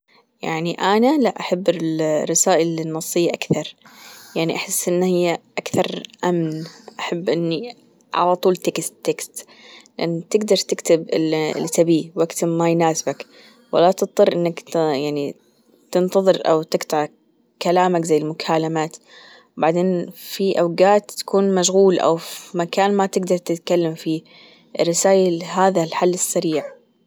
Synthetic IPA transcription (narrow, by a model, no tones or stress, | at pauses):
ja̰ʕniʔanalaʔaħabːɪrːɪsaːʔɪlnːɑsˤːɨjːaʔakθɑɾˤjaʕniʔaħɪsːʔɪnːhɪjːaʔakθɑɾˤʔamnʔaħabːʔɪnːi | ʕa̰lat̪ˤuːlt̪ekstt̪ːekst̪ | lɪʔanːt̪ɪɡd̪ɑɾˤt̪ɪkt̪ɪbɪl̰lsabiwʔakt̪ɪbmajnaːsɪbak | wa̰lat̪ɨt̪̚ˤt̪ˤːɨrˤʔɪnːak̪jaʕni | t̪ɪnt̪ɑðˤɨɾʔa̰wt̪ɪɡt̪ɑʕ | kalaːmakzajɪlmʊkʰaːlamaːt̪ | baʕd̪eːnfiʔawɡaːt̪ːḁkuːnmaʃɣuːlʔa̰wfimakaːnmat̪ɪɡd̪ɑɾˤt̪ɪt̪kalːamfi | rːɪsaːjaɦaːðalħalːɨsːaɾiːʕ